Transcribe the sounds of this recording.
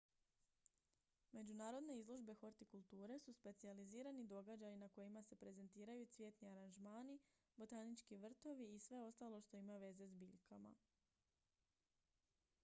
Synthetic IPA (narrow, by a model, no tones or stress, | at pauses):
me̞d͡ʑunaːɾo̞d̪ne̞izlˠo̞ʒbe̞xo̞ɾt̪ikulˠt̪uːɾe̞suspe̞t̪sializiːɾanid̪o̞ɡad͡ʒajinako̞jimase̞pɾe̞ze̞nt̪iːɾajut̪sʋje̞ːt̪niaɾanʒmaːni | bo̞t̪anit͡ʃkiʋr̩t̪o̞ʋiːsʋe̞o̞st̪aːlˠo̞ʃt̪o̞imaʋe̞ze̞zbiːʎkʰama̰